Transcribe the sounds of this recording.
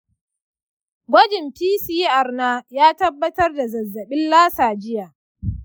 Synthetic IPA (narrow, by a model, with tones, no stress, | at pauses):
ɡʷɐ˦d͡ʒɪ˨mpiː˦siː˦ʔa˨rnaː˦jaː˦tɐ˦bːɐ˦tɐ˦rda˨zɐ˨zːɐ˨ɓɪ˦nlaː˦saː˨d͡ʒɪ˦jaː˨